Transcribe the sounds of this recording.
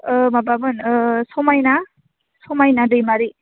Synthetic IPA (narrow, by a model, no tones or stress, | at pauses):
ɯmabamɯnsɔmajna | sɔmajnadɯjmaɾi